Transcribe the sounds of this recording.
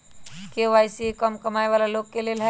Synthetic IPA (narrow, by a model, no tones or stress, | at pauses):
keʋaːjsikəmkɐmaːeʋaːlaloːɡkːelelɦɛ